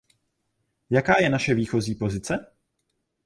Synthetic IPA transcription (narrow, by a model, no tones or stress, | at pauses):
jakaːjɛnaʃɛviːxo̞ziːpo̞zɪt͡sɛ